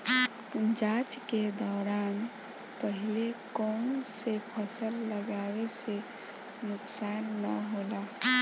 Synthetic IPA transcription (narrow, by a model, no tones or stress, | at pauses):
d͡ʒat͡ʃked̪ɔːɾaːn | pəɦilekɔnsepʰəsəlːəɡawese | nʊksanːəɦola